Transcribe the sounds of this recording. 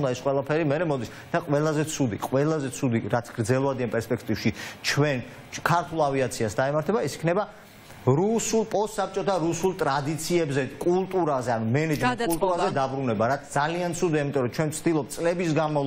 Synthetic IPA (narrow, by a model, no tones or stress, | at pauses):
d̪aɛsqʼwɛlˠapʰɛɾimɛɾɛmɔd̪is | d̪̥aqʼwɛlˠazɛt̪sʰud̪ḭqʼwɛlˠazɛt̪sʰud̪iɾat̪sʰɡ̥ɾd̪zɛlˠɔvad̪ianpʼɛɾspʼɛkʰt̪ʼivʃit͡ʃʰwɛn | kʰaɾt̪ʰulˠaviat̪sʰiasd̪aimaɾt̪ʰɛbaɛsi̥kʰnɛba | ɾusulˠpʼɔst̪sap̚ʰt͡ʃʼɔt̪ʰaɾusulˠt̪ʼɾad̪it̪sʰiɛbzɛkʼulˠt̪ʼuɾazɛanumɛnɛd͡ʒmɛnt̪kult̪ʼuɾazɛd̪abɾunɛbaɾat̪sd̪zaliant̪sʰud̪iaimit̪ʼɔɾɔt͡ʃʰwɛnt̪sʰd̪ilˠɔp̚t̪sʼlɛbisɡanmal